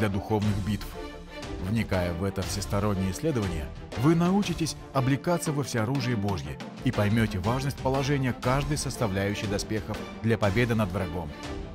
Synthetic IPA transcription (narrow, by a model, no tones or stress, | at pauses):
lʲɐd̪ʊxo̞vnɨxbʲit̪f | vnʲɪkajəvɛt̪əfsʲɪst̪ɐɾo̞nʲːɪjəɪsʲlʲe̞d̪əvənʲɪjə | vɨnɐut͡ɕɪtʲɪsʲ | ɐblʲɪkat̪səvəfsʲɪɐɾuʐɨjɪbo̞ʐjɪ̰ | ipɐjmʲotʲɪvaʐnəsʲt̚ʲpəlˠɐʐɛnʲɪjəkaʐd̪ɨjsəst̪ɐvlʲæjʉɕːɪjd̪ɐspʲe̞xəfd̪lʲɐpɐbʲe̞d̪ɨnəd̪vɾɐɡo̞m